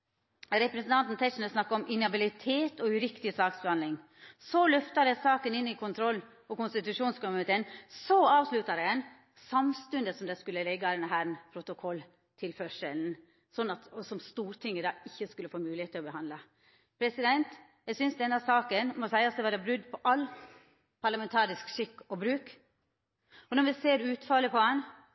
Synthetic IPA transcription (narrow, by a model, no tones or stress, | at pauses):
ɾɛpɾɛsnt̪ʰɑnt̪n̩t̪ʰɛʂn̩əsnɑkːɑɔmʔɪnɑbɪlɪt̪ʰeːt̪ɔʉɾɪkt̪ɪsɑːksbɛhɑnlɪŋ | sɔlœft̪ɑɾɛsɑːkənɪnːɪkʰʊnt̪ʰɾɔlː | ɔkʊnst̪ɪt̪ʉʂuːnskʊmnɪt̪eːənsɔɑːʋslʉt̪ɑɾɛɛn | sɑmst̪ʉnd̪əsɔmd̪ɛskʉlːəlɛɡːɑd̪ɛnɦæːɾnpʰɾʊt̪ʊkʰɔlː | t̪ʰɪlfœʂəln̩ | sɔnːɑt̪ɔsɔmst̪uːɾt̪ʰɪŋːəd̪ɑːɪçːəskʉlːəfoːmʉːlɪheːt̪ʰːɪlɔbəɦɑnd̪lɑ | pʰɾɛsɪd̪ɛnt̪jæsʏnsd̪ɛnːɑsɑːkənmɔsæɪɑsd̪ɛʋɑɾɛbɾʉd̪ːpʰɔʔɑlː | pʰɑɾɭɑmɛnt̪ʰɑːɾɪskʂɪkːɔbɾʉːk | ɔnɔɾʋɪseːɾʉːt̪fɑləpʰɔɛn